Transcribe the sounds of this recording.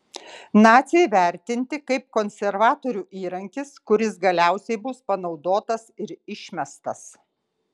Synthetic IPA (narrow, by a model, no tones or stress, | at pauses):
nɑːt̪sʲijʋʲæˑɾʲt̪ʲɪnʲt̪ʲɪkɐɪp̚kɔnʲsʲɛɾʋɑːt̪oːɾʲuːʔiːɾɐŋʲkʲɪskʊɾʲɪsɡɐlʲæˑʊsʲɛɪbʊspɐnɒʊd̪oːt̪ɐsɪɾɪʃʲmʲɛst̪ɐs